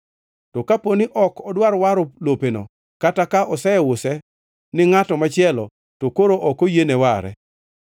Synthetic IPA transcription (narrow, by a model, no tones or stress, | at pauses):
tɔkaponiʔɔkɔdwaɾwaɾolopeno̰ | katakaʔɔsɛɛwʊsɛ | nɪŋatɔmat͡ʃɪjɛlɔ̰ | tokoɾoʔɔkojenewaɾɛ̰